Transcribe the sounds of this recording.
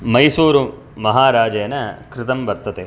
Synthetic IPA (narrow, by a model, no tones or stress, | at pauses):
mɐjsuːɾu | mɐɦaːɾaːd͡ʒɐjɐnɐkɾɪt̪ɐmʋɐɾt̪ɐt̪e